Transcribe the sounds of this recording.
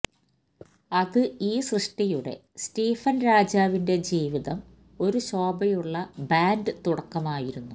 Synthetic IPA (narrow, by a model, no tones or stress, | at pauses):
ɐðɨiːsrɨʂʈijuɽe̞̰ | stiːfɐnɾaːd͡ʑaːʋinde̞d͡ʑiːʋiðɐm | o̞ɾuɕo̞ːbɐjuɭːɐbaːndɨt̪uɽɐkːɐmaːjiɾunːu